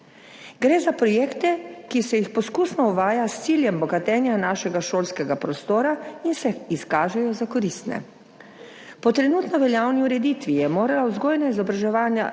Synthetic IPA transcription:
ɡɾeːzapɾɔjeːkt̪ɛkisɛjixpɔskuːsnɔuʋaːjast̪siːljɛmbɔɡat̪ɛːnjanaːʃɛɡaʃoːlskɛɡapɾɔst̪oːɾainsɛiskaːʒɛjɔzakɔɾist̪nɛ̰ | pɔt̪ɾɛnuːt̪nɔʋɛljaːwniuɾɛd̪iːt̪ʋijɛmoːɾalawzɡoːjnaizɔbɾaʒɛʋaːnja̰

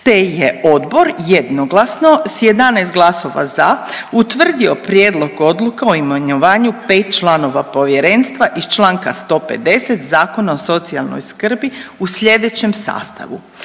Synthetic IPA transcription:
t̪ejeo̞d̪bo̞ɾjed̪noɡlasno̞sjed̪anest̪̚ɡlˠaso̞ʋa̰zaut̪ʋr̩d̪io̞pɾjeːd̪lˠo̞ɡo̞d̪lukaoimaɲoʋaːɲupe̞ːt̪̚t͡ʃlˠano̞ʋapo̞ʋje̞ɾe̞ːnst̪ʋaʔist͡ʃlˠaːŋkast̪o̞ːpe̞d̪e̞set̪zaːko̞nao̞so̞t̪sialˠno̰jskr̩biusʎe̞d̪et͡ɕe̞msa̰ːst̪a̰ʋṵ

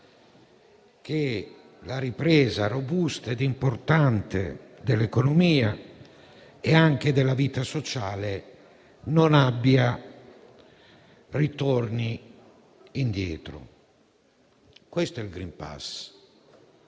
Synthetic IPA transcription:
k̟e | laɾipɾɛːzarobust̪aed̪impoɾt̪ant̪ḛd̪elekonomiːa | ɛaŋk̟ed̪elaviːt̪asot͡ʃaːle | nonabːia | rit̪oɾniː | nd̪jɛːt̪ɾo̰ | kwest̪oɛlɡɾimpa̰s

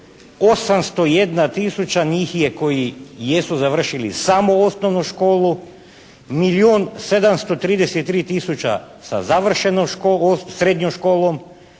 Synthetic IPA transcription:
osamst̪ojed̪nat̪isut͡ɕanixjeko̞jijesuzaʋr̩ʃilḭsamoosnoʋnuʃkoːlˠu | milioːnsed̪amst̪ot̪ɾiːd̪eset̪ːɾiːt̪isut͡ɕa̰ | sa̰zaʋr̩ʃenoʃkosɾed̪ɲomʃkoːlˠom

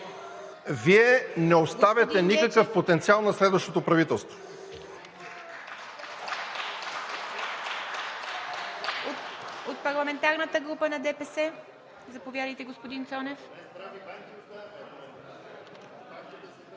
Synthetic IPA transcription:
viɛnɛost̪avʲɐt̪ɛnikəkəfpot̪ɛnt̪sialˠnɐslɛd̪vəʃt̪ot̪opɾɐvit̪ɛlˠst̪vo̥ | ot̪̚pɐɾlˠɐmɛnt̪aɾnət̪əɡɾupənɐd̪ɛpɛsɛ | zɐpovjad̪əjt̪ɛɡospod̪int̪sɔnɛf

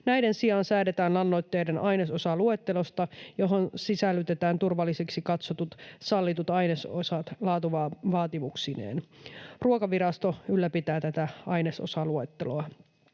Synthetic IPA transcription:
næjde̞nsiɑnsæːde̞t̪æːnlɑnːo̞jt̪ːe̞jdenɑjnesosɑlue̞t̪ːe̞lo̞st̪ɑjo̞ɦo̞nsisælːyt̪e̞t̪æːnt̪urʋɑlːiseksikɑt̪sot̪ut̪sɑlːit̪ut̪ɑjneso̰sɑt̪lɑːt̪uʋɑʋɑːt̪imuksinḛːnruokɑʋiɾɑst̪o̞ylːæpit̪æːt̪æt̪æɑjneso̰sɑlue̞t̪ːeloɑ

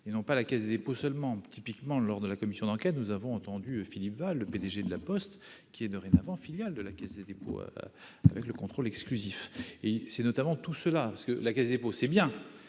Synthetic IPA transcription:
enɔ̃palakʲɛzd̪ed̪eposœlmɑ̃t̪ʰipikmɑ̃lɔʁd̪əlakɔmisjɔ̃d̪ɑ̃kʲɛt̪nuzavɔ̃ɑ̃t̪ɑ̃d̪yøfilipvalːəped̪eʒed̪əlapɔst̪kʲiɛd̪əʁenavɑ̃filjald̪əlakʲɛzd̪ed̪epo̰a̰vɛkləkɔ̃t̪χolɛksklyzifesɛnɔt̪amɑ̃t̪usəlapasə̥kəlakɛzd̪ed̪eposɛbjɛ̃

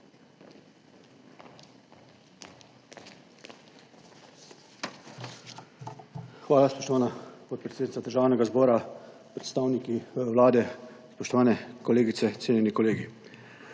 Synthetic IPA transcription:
xʋaːlaspɔ̥ʃt̪ɔʋaːnapɔt̪̚pɾɛt̪sednit̪sad̪əɾʒaːwnɛɡazbɔːɾa | pɾɛt̪st̪aːwnikiʋlaːd̪ɛ | spɔʃt̪ɔʋaːnɛkɔleːɡit̪sɛt̪seːnjɛnikɔleːɡi

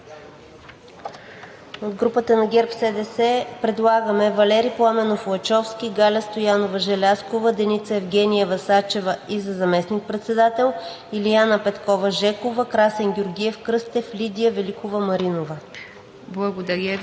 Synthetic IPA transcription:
od̪ɡɾupət̪ənɐɡʲɛɾpsɛd̪ɛsɛpɾɛd̪lˠaɡəmɛvɐlɛɾiplˠamɛnoflˠɐt͡ʃɔfskʲiɡalʲəst̪ojanovəʒɛlʲaskovəd̪ɛnit̪səɛvɡʲɛnʲijɛvɐsat͡ʃɛvəizɐzɐmɛsnik̚pɾɛt̪sɛd̪at̪ɛlˠ | ilianəpɛt̪kɔvɐʒɛkovəkɾasɛnɡʲoɾɡʲiɛfkɾɤst̪ɛflʲid̪ʲijəvɛlikovəmɐɾinovə | blˠɐɡod̪ɐɾʲə

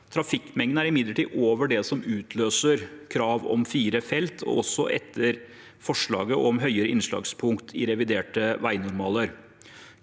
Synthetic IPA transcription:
t̪ʰɾɑfɪkːmɛŋd̪æɾɪmɪd̪ləʈiːʔoːʋəɖɛsɔmʉːt̪ʰløːsəɾkʰɾɑːʋɔ̰mfiːɾəfɛlt̪ʰɔ̰ɔsːɔ̰ʔɛt̪ʰːəɾ | fɔʂɭɑ̰ːɡəʔɔmɦœʏəɾəʔɪnʂɭɑ̰ːɡspʰʊŋkt̪ʰɪɾɛʋɪd̪eːʈəʋæɪnʊɾmɑːləɾ

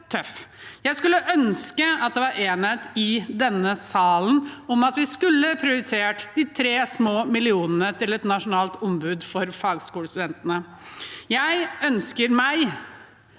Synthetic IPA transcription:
t̪ʰœfjæɪskʉlːəʔœnskəɑt̪̚d̪ɛʋɑɾʔeːnət̪ɪd̪ɛnːəsɑːln̩ɔmɑt̪ʋɪskʉlːəpʰɾɪʊɾɪt̪ʰeːʈd̪ɪt̪ʰɾeːsmoːmɪlɪuːnənət̪ʰɪlɛt̪nɑʂʊnɑːlt̪ɔmbʉːd̪fɔɾfɑːɡskuːləst̪ʉd̪ɛnt̪ənə | jæɪœnskəɾmæɪ

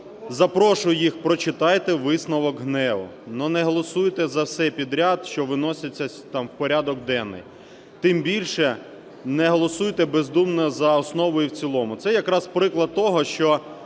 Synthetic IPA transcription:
zɐpɾɔʃʊjjixpɾɔt͡ʃɪt̪ɑjt̪ɛʋɪsnɔʋɔɡɦnɛʋʊ̰nɔnɛɦɔlˠɔsujt̪ɛzɐwsɛpʲid̪ɾʲad̪ʃt͡ʃɔʋɪnɔsʲɐt͡sʲːɐ | t̪ɑmwpɔɾʲad̪ɔɡd̪ɛnːɪ̰j | t̪ɪmbʲilʲʃɛ | nɛɦɔlˠɔsujt̪ɛbezd̪umnɐzɐɔsnɔʋɔjuwt͡sʲilˠɔmʊt̪sɛjɐkɾɑspɾɪklˠɐd̪̚t̪ɔɦɔʃt͡ʃɔ

